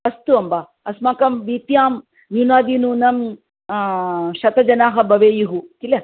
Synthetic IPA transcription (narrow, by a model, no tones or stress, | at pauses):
ɐst̪uɐmba | ɐsmaːkɐmʋit̪jaːm | njunaːd̪inunɐm | ʃɐt̪ɐd͡ʒɐnaːɦɐbʱɐʋeːjuɦukile